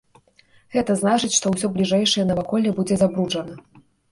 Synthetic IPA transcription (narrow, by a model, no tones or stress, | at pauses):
ɣɛt̪ɐznat͡ʂɨt͡sʲʂt̪ɔwsʲɔblʲiʐɛjʂɐjɐnɐvakɔlʲːɛbud͡zʲɛzabɾud͡ʐɐnɐ